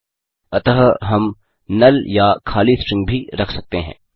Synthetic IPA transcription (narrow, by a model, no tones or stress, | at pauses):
ɐt̪əɦɦɐm | nɐljakʰaːlisʈɾɪ̃ŋɡ̚bʱiɾɐkʰsɐk̚t̪eɦɛ̰̃ː